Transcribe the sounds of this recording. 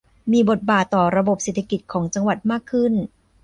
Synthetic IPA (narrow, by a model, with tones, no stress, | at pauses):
miː˧bo˨˩t̪̚baː˨˩t̪ːɔː˨˩ɾa˧bo˨˩p̚seː˨˩t̪ʰa˧ki˨˩t̪̚kʰɔː˩˦ŋt͡ɕa˧ŋwa˨˩t̪̚maː˥˩kʰːɯ˥˩n